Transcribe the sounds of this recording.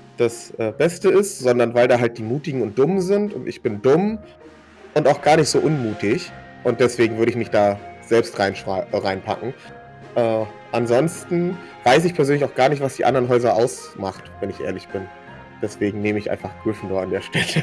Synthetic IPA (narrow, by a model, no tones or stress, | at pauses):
d̥asʔɛːbɛstəɪstz̥ɔndɐnvaɪldaːɦalt̚d̥iːmuːtɪɡŋ̩ʊnt̚d̥ʊmzɪntʊ̰ntɪ̰çb̥ɪndʊm | ʔʊntaʊxɡ̥aːɐnɪçtz̥oːʔʊnmuːtɪç | ʔʊnt̚d̥ɛsv̥eːɡŋ̩vʏɐɾəɪçmɪçd̥aːz̥ɛlpstʁaɪnʃaʁaɪnpʰa̰kŋ̩ | ʔɛː | ʔanzɔnstn̩ | v̥aɪs̬ɪçpʰɛɐzøːnlçaʊxɡ̥aːɐnɪçtv̥asd̥iːʔa̰ndɐʁənɦɔʏzɐʔaʊsmaχtvɛnɪçʔḛːɐlɪçb̥ɪn | d̥ɛsv̥eːɡŋ̩neːməɪçʔa̰ɪnfaχɡ̥ʁʏfn̩doɐandeːɐʃtɛlə